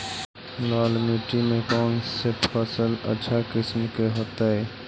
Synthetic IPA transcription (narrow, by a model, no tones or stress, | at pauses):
laːlmeːʈimẽpɔːnsepʰəsələ̰ːʃʰakɪsmkeɦoːt̪aɦɛː